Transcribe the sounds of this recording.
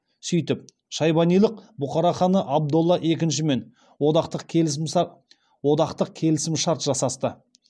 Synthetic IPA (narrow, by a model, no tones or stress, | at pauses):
sʏjt̪ɪp̚ | ʃɑjbɑnijlˠəqbʊqɑɾɑχɑnəʔɑb̚d̪olˠːɑʔe̞kʲɪnʃɪme̞n | od̪ɑqt̪əqʲ | wo̞d̪ɑqt̪əq̚kʲʰe̞lɪsɪmʃɑɾt̪ʒɑsɑst̪ə